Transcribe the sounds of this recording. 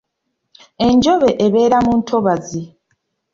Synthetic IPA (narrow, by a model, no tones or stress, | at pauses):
e̞ɲd͡ʒo̞βe̞ʔeβe̞ːɾamuːntʰo̞βazi